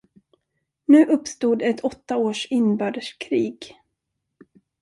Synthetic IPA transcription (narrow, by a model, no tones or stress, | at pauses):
nʉ̟ːʔɵpːst̪uːd̪ɛt̪ʰɔt̪ːaoːʂɪnːbœːɖəʂkʰɾiːɡ